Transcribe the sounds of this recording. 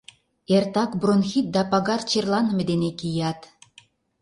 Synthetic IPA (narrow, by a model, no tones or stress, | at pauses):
ert̪ɑkbronxit̪̚d̪ɑpɑɣɑrt͡ɕerlˠɑnmɘ̆d̪enekijɑt̪